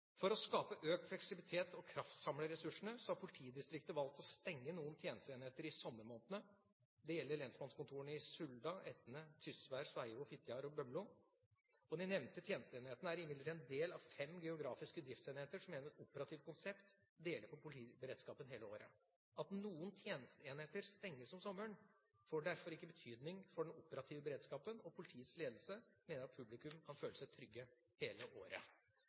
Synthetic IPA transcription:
fɔɾɔskɑːpəʔøːk̪̚flɛksɪbɪlɪt̪ʰeːt̪ɔkʰɾɑft̪sɑmləɾɛsʉʂəɳəsɔhɑɾpʰʊlɪt̪ʰiːd̪ɪst̪ɾɪk̚t̪əʋɑlk̚t̪ɔst̪ɛŋːənuːənt̪ʰjeːnəst̪əeːnɪheːt̪əɾɪsɔmːəɾmoːnt̪ənə | d̪ɛjɛlːəɾɭɛnsmɑnskʊnt̪ʰuːəɳəɪsʉld̪ɑʔɛt̪nət̪ʰʏsʋæɾʂʋæɪʋʊfɪt̪ʰjɑɾɔbœmlʊ | ɔd̪ɪnɛʋnt̪ət̪ʰjeːnəst̪əeːnɪheːt̪ənəæɾɪmɪd̪lət̪ʰːɛnd̪eːlɑʋfɛmɡɛʊɡɾɑːfɪskəd̪ɾɪft̪seːnheːt̪əʂɔmːeːnəɾɛt̪ʊpəɾɑt̪ʰɪːʋt̪kʰʊnsɛpt̪ | d̪eːləɾpʰɔpʰʊlɪiːbəɾeːd̪skɑːpənɦeːləoːɾə̰ | ɑt̪nuːənt̪ʰjeːnəst̪əeːnheːt̪əɾst̪ɛŋːəsɔmsɔmːəɳ | foːɖæɾfɔɾɪkːəbət̪ʰyːd̪nɪŋfɔɖɛnʊpəɾɑt̪ʰɪːʋəbəɾeːd̪skɑːpənɔpʰʊlɪt̪ʰiːət̪sleːd̪lsəmeːnəɾɑt̪̚pʰʉblɪkʉmkʰɑnføːləsæɪt̪ʰɾʏɡːə | heːləʔoːɾə̰

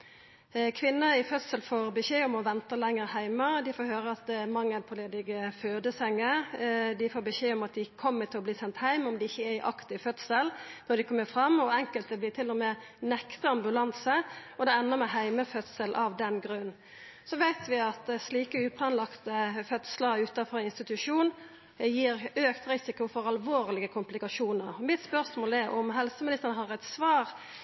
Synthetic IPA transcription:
kʰʋɪnːəɾɪfœt̪səlfoːɾbɛçeːɔmɔʋɛnt̪əlɛŋːəɾhæɪməd̪ɪfoːɾɦøːɾəɑt̪̚d̪ɛmɑŋːəlpʰɔleːd̪ɪɡəføːd̪əsɛŋːəd̪ɪfoːbəçeːɔmɑt̪̚d̪ɪkʰɔmːət̪ʰɪlɔbliːsɛnt̪hæɪmɔmd̪ɪɪçːəæɪʔɑ̰kt̪ɪfœt̪səlnɔɖ̪ɪkʰɔmːəfɾɑmːɔɛŋkəlt̪əblɪːt̪ʰɪlːɔmeː | nɛkt̪əɑmbʉlɑnsəɔd̪ɛɛnːəmɛɦæɪməfœt̪səlʔɑʋd̪ɛnɡɾʉn | sɔʋæɪt̪ʋɪɑt̪sliːkəʉːpʰlɑnlɑkt̪əfœt̪sləɾʉːt̪ɑfɔɾɪnst̪ɪt̪ʉʂuːn | jiːɾøːkt̪ɾɪsɪkʊfɔɾɑlʋoːɾlɪɡəkʰʊmplɪkɑʂuːnəɾɔmɪt̪spœʁsmoːlɛʔɔmɦɛlsəmɪnɪst̪əɾnəɦɑɾæɪt̪sʋɑːɾ

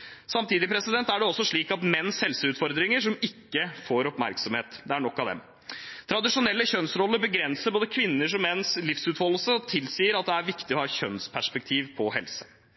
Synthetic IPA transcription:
sɑmt̪ʰiːd̪ɪpʰɾɛsɪd̪ɛnt̪æɖɛɔsːɔʂɭiːkɑt̪mɛnːshɛlsəʉːt̪fɔɾd̪ɾɪŋəʂɔmɪkːəfoːɾɔpmæ̰ɾksɔmheːt̪d̪ɛæɳɔkːɑʋd̪ɛ̰m | t̪ʰɾɑd̪ɪʂʊnɛlːəçœnsɾɔlːəbəɡɾɛnsəɾboːd̪əkʰʋɪnːəʂɔmmɛnːslɪfsʉːt̪hɔlːəlsət̪ʰɪlsiːəɾɑt̪̚d̪ɛæɾʋɪkt̪ɪɔhɑːçœnspʰæʂpɛk̚t̪ʰiːʋpʰɔhɛlsə̥

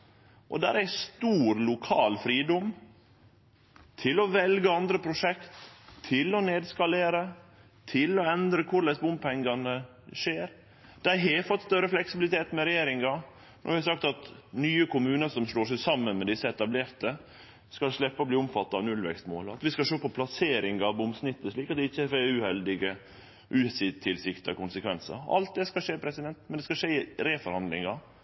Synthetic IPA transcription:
ʔɔ̰d̪æ̰ːɾæst̪uːɾlʊkʰɑːlfɾiːd̪ɔm | t̪ʰɪlɔʋɛlɡəɑnd̪ɾəpʰɾʊʂɛkt̪ʰːɪlɔneːd̪skɑleːɾə | t̪ʰɪlɔɛnd̪ɾəkʰʊɭæɪsbʊmpʰɛŋɡɑnə | ʂeːɾ | d̪̥æɪɦɛɪfɔt̪ːst̪œɾəflɛksɪbɪlɪt̪ʰeːt̪mɛɾɛjeːɾɪŋɑ | nɔ̰ɾʋɪhɑsɑkt̪ɑt̪nyːəkʊmʉːnəsɔmsloːʂɛɪsɑmːənmɛd̪ɪsːəɛt̪ɑbleːɾt̪ə | skɑlʂɭɛpːəɔbliːʊmfɑt̪ːɑɑʋnʉlʋɛ̰kst̪mo̰ːlɑt̪ʋɪskɑʂoːpʰɔpʰlɑseːɾɪŋɑʋɔmsnɪt̪ːəʂɭiːkɑt̪̚d̪ɛɪçːəɛfɛʉhɛld̪ɪɡə | ʔʉːsɪːd̪t̪ʰːɪlsɪkt̪ə̰kʰʊnsəkʰʋɛnsə̰ɾɑ̰lt̪̚d̪ɛskɑʂeːpʰɾɛsɪd̪ɛnt̪mɛnd̪ɛskɑʂeːɪɾeːfɔɾhɑnd̪lɪ̰ŋɑ

